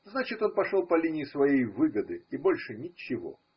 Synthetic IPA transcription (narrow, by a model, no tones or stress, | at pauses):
znat͡ɕɪt̪o̞npɐʂolˠpɐlʲinʲɪɪsvɐjejvɨɡəd̪ɨibo̞lʲʂɨnʲɪt͡ɕɪvo̞̰